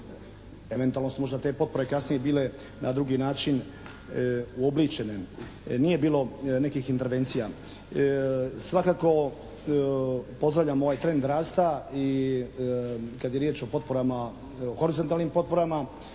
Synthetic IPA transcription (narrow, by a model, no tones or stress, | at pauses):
e̞ʋent̪ualno̞sumo̞ʒd̪at̪e̞po̞t̪̚po̞ɾe̞kasnije̞biːle̞ | nʔad̪ɾuɡinaːt͡ʃin | uoblit͡ʃene | nije̞biːlo̞ne̞kixint̪e̞ɾʋe̞nt̪sija | sʋakaːko̞ | po̞zd̪ɾaʋʎamo̞ʋajt̪ɾe̞nd̪ɾaːst̪ai | kad̪je̞ɾjeːt͡ʃo̞po̞t̪̚po̞ɾama | oxo̞ɾizont̪aːlˠnimpo̞t̪̚po̞ɾama